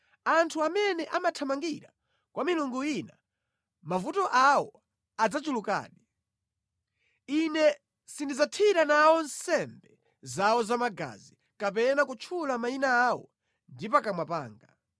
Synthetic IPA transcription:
antʰuamɛnɛʔamatʰamaŋɡiɾa | kwamiluŋɡuina | mavutɔʔawɔ | ad͡zat͡ʃuluka̰ːni | inɛ | sindid͡zatʰiɾanawɔnsɛmbɛ | zawɔzamaɡa̰zi | kap̬ɛnakut͡ʃʰulamainaːwɔ̰ | ndipakamwapa̰ːŋɡa

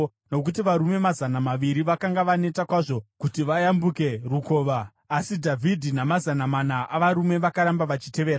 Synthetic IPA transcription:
no̞k̬utiʋaɾume̞mazanamaʋiɾiʋakaŋɡaʋane̞takwaʐo̞kutiʋajambuke̞ruko̞ːʋaː | sidʱavʱidʱinamazanamanaʔaʋaɾume̞ʋakaɾambaʋat͡ʃi̥te̞ʋeːɾa

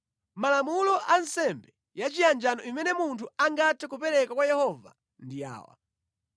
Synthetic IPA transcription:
malamulɔʔansɛmbɛ | jat͡ʃijand͡ʒanɔimɛnɛmuntʰuaŋɡatʰɛkupɛɾɛkakwajɛhɔva̰ | ndia̰ːwa̰

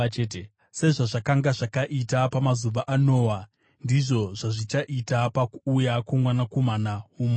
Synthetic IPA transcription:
te | se̞ʐaʐakaŋɡaʐakaʔitapamazuʋaʔano̞ːwa | ndiʐo̞ʐaʐit͡ʃaʔitapakuːjakwomwanakomanaɦuːmo

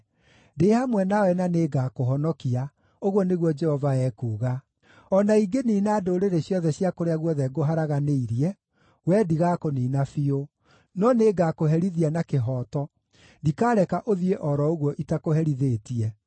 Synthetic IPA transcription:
deːhamwɛnawɛnaneːɡakoɦɔnɔkia | oɣwɔneɣwɔd͡ʒɛhɔvaɛːkuːɣa | ɔnaiɡeniːnaːdoːɾeɾeɕjɔðɛɕjakoɾeaɣwɔðɛɡoɦaɾaɣaneiɾiɛ | wɛdiɣakoniːnafio | nɔneːɡakoɦɛɾiðianakeɦɔːtɔ | ndikaːɾɛkaʔoðieʔɔɾɔoɣwɔʔitakoɦɛɾiðeːtiɛ

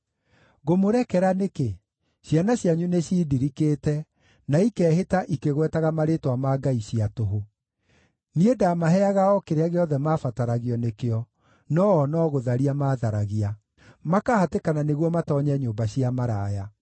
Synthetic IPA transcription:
ɣomoɾɛkɛɾaneke | ɕjanaɕjaɲuneɕiːdiɾikeːtɛ | naikɛːɦetaʔikeɣwɛtaɣamaɾetwamaːɡaiɕiatoɦo | niedamaɦɛaɣaɔkeɾeaɣeɔðɛmaːfataɾaɣiɔnekeɔ | nɔːnɔɣoðaɾiamaːðaɾaɣia | makahatekananeɣwɔmatɔɲɛɲoːmbaɕiamaɾaːja

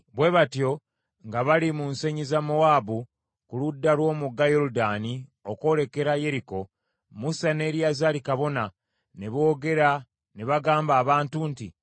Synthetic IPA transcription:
βwe̞βatjo̞ | ŋɡaβalimunseɲizamo̞waːbu | kuludːalwo̞ːmuɡːajo̞ɾudanio̞ko̞le̞ke̞ɾaje̞ɾiko̞ | musane̞ːɾjazalikaβo̞na | neβo̞ːɡe̞ɾa | neβaɡaːmbaːβaːntunti

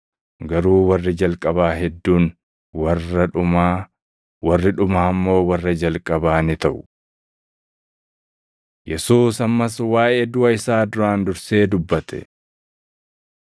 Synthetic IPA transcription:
ɡɐɾuːwɐrːɪd͡ʒɐlkʼɐbaːɦɛd̪ːuːn | wɐrɐᶑʊma | wɐrːɪᶑʊmaːɐmːo̞ːwɐrːɐd͡ʒɐlkʼɐbaːnɪt̪ɐʔʊ | jɛsuːsɐmːɐswaːʔe̞ːd̪ʊʔɐɪsaːd̪ʊɾaːnd̪ʊɾse̞ːd̪ʊbːɐt̪ɛ̰

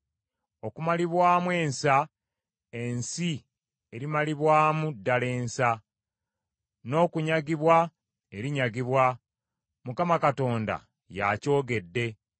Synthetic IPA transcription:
o̞kumaliβwaːmwe̞ːnsa | e̞nsi | eɾimaliβwaːmudːale̞ːnsa | no̞ːkuɲaɡiβwa | e̞ɾiɲaɡiβwa | mukamakato̞ːnda̰ | ja̰co̞ːɡe̞dːe̞

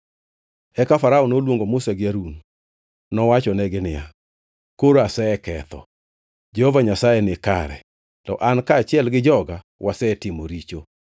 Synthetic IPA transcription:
ɛkafaɾaonolwoŋɡomʊsaɡɪaɾun | nɔwat͡ʃɔnɛɡɪnɪja̰ | koɾoasɛɛkɛt̪ɔ̰ | d͡ʒɛhovaɲasajɛnɪka̰ɾɛ̰ | tɔ̰ʔankaːt͡ʃɪɛlɡɪd͡ʒɔɡa | wʔasɛːtɪmoɾit͡ʃo

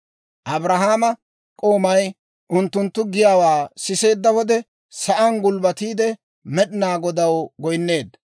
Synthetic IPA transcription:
ʔɐbɾɐɦaːmɐ | kʼo̞ːmɐj | ʔʊnt̪ːʊnt̪ːʊɡɪjaːwaːsɪse̞ːd̪ːɐwɔd̪ɛ | sɐʔɐnɡʊlbɐt̪iːd̪ɛ | mɛɗɪnaːɡɔd̪ɐwɡɔjnːe̞ːd̪

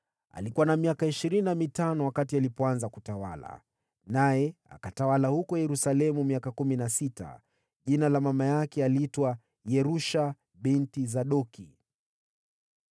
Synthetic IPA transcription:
a̰likuwanamiakaiʃiɾininamitanɔwakatialipɔanzakutawa̰la̰ | najɛa̰katawalahukɔjɛɾusalɛmumiakakuminasita̰ | ʄinalamamajakɛaliitwa | jɛɾuʃa | ɓintizaɗɔki

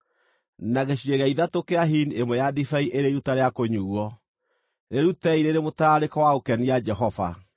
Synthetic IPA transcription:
naɣeɕieɣaiðatokeaɦiniemwɛjadifaiʔeɾeiɾutaɾeakoɲuwɔ | ɾeɾutɛiɾeɾemotaɾekɔwaokɛnijad͡ʒɛɦɔva̰

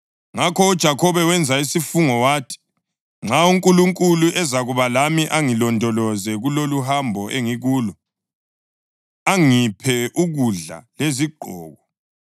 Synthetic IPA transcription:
ŋakʰɔud̥ʒ̥ʱakʰɔβɛwɛnd͡zʱaisifuŋɔwaːtʰi̥ | ŋ͡ǁʱauŋkʼuluŋkʼuluʔɛzaɣuβalamiʔaŋilɔndʱɔlɔzɛɣuloluhambʱɔʔeŋiɣuːlɔ | aŋipʰɛʔuɣuɮa̰leziɡ͡ǃʱɔ̰ːɣɔ

